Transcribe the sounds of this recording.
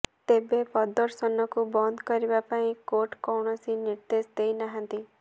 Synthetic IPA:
t̪ebepɔd̪ɔɾsɔnɔkubɔnd̪kɔɾibapaĩkoʈkɔwɳ̃ɔsiniɾd̪esd̪ejnaɦãnt̪i

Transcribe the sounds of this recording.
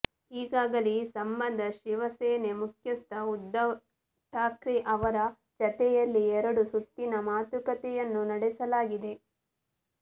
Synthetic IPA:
iːɡaːɡɐlisɐmbɐnd̪ʱɐʃiʋɐsɛːnemukʰjɐst̪ʰɐud̪ːɐ | ʈʰaːkɾiʔɐʋɐɾɐ | t͡ʃɐt̪ɛjɐlːiɛɾɐɽusut̪ːinɐmaːt̪ukɐt̪ɛjɐnːunɐɽɛsɐlaːɡid̪e̞

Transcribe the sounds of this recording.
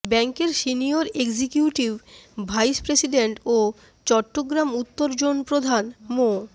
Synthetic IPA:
bɛŋkeɾʃinioɾeɡd͡ʑekjuʈibbʱajspɾesiɖeɳʈo | t͡ɕɔʈːoɡɾamut̪ːoɾd͡ʑonpɾod̪ʱanmo

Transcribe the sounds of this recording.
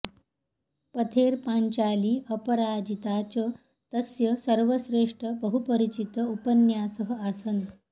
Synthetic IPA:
pət̪ʰeɾpaɲt͡ɕaliːʔəpəɾad͡ʑit̪at͡ɕə | t̪əsjəsəɾʋəɕɾeʂʈɾəbəɦupəɾit͡ɕit̪əupənjasəɦəasənd̪

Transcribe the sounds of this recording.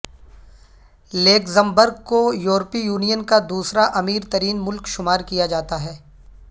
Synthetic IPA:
leːkzə̃mbəɾɡkojuːɾpijuːnijənkad̪uːsɾaʔɐmiːɾt̪ɐɾiːnmʊlkʃʊmaːɾkijad͡ʒaːt̪aɦɛː

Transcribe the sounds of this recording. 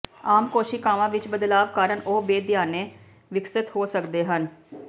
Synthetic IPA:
aːmkoːʃikaːʋãːʋɪt͡ʃbəd̪laːʋkaːɾəɳoːbeːd̪ɪjaːneː | ʋɪksɪt̪ɦoːsəkd̪eːɦən

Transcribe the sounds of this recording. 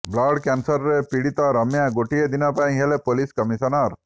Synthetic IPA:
blaɽkɛnsəɾːepiɽit̪aɾəmjaɡoʈied̪inapaj̃ɦelepoliskəmisɔnaɾ

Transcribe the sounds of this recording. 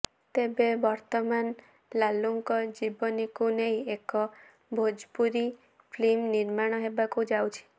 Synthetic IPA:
t̪ebebɔɾt̪ɔman | laluŋkɔd͡ʒibɔnikunejekɔ | bʱod͡ʒpuɾi | pʰlimniɾmaɽ̃ɔɦebakud͡ʒawt͡ʃʰi̥

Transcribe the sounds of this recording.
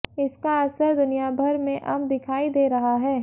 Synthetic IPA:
ɪskaɐsəɾd̪ʊnijabʱɐɾmẽʔɐmd̪ɪkʰaːid̪eːɾɐɦaɦɛː

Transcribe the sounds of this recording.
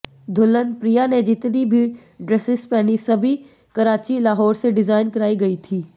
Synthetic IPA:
d̪ʱʊlənpɾijaned͡ʒɪt̪nibʱi | ɖɾesɪspɛːnisɐbʱi | kɐɾaːt͡ʃilaːɦɔːɾseɖɪzaːɪnkɐɾaːiɡɐit̪ʰiː

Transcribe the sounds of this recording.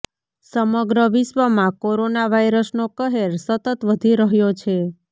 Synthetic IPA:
səməɡɾəʋɪʃʋəmãkoɾonaʋaiɾəsnokəɦeɾsət̪ət̪ʋəd̪ʱiɾəɦjot͡ʃʰe

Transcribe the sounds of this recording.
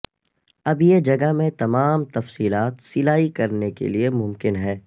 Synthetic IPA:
ɐbjed͡ʒɐɡəmẽt̪ɐmaːmt̪ɐfsiːlaːt̪sɪlaːikɐɾnekḛliemʊ̃mkɪnɦɛː

